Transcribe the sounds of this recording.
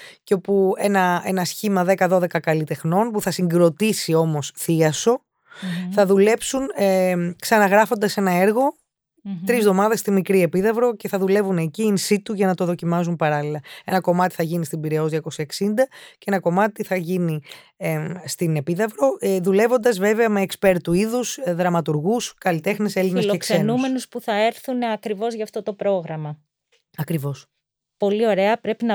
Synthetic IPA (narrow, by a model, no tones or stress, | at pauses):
ceo̞pue̞nɐenɐsçimɐðe̞kɐðo̞ðe̞kɐkɐlit̪e̞xno̞npuθɐsiŋɡɾo̞t̪isio̞mo̞sθiɐso̞ | θɐðule̞psun | ksɐnɐɣɾɐfo̞nd̪ɐse̞nɐe̞ɾɣo̞ | t̪ɾizðo̞mɐðest̪imikɾie̞piðɐvɾo̞ce̞θɐðule̞vuneciːnsit̪uʝɐnɐt̪o̞ðo̞cimɐz̬unpɐɾɐlilɐe̞nɐko̞mɐt̪i̥θɐʝinist̪imbiɾeozðjɐko̞seksind̪ɐcee̞nɐko̞mɐt̪iθɐʝini | st̪ine̞piðɐvɾo̞ðule̞vo̞nd̪ɐzve̞ve̞ɐme̞ːkspe̞ɾt̪uiðusðɾɐmɐt̪uɾɣuskɐlit̪e̞xnese̞linsloekse̞numse̞nuspuθɐeɾθunɐkɾivo̞zʝɐːft̪o̞t̪o̞pɾo̞ɣɾɐmɐ | ɐkɾivo̞s | po̞lio̞ɾe̞ɐpɾe̞pinɐ